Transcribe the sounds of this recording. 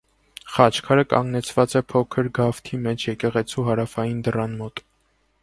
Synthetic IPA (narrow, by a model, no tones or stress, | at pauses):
χɑt͡ʃʰkʰɑɾəkɑ̰ŋɡnɛt͡sʰvɑt͡sɛpʰɔkʰəɾɡɑft̪ʰimɛt͡ʃʰjɛkɛʁɛt͡sʰuɦɑɾɑfɑjind̪ərɑnmɔt̪